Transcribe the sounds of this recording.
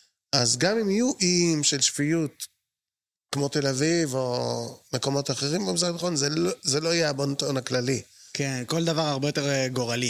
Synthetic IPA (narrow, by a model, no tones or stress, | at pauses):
azɡamimijuʔimʃe̞lʃfijut̪ | kmo̞t̪e̞lavivo̞me̞ko̞mo̞t̪aχeʁimbemisʁataχonzezeloajeabont̪onaklalikenko̞ld̪avaʁaʁbejo̞t̪eʁɡo̞ʁali